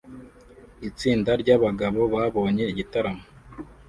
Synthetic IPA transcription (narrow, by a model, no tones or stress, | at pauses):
it͡siːndaɾɟaβaɡaβo̞βaːβo̞ːɲe̞iɟitaɾamo